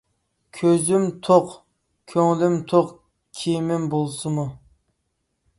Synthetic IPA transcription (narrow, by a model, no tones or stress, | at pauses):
kʲʰøzymt̪ʰoq | kʲʰøŋlymt̪ʰoq | kʲʰijmɪmbolˠsɨmu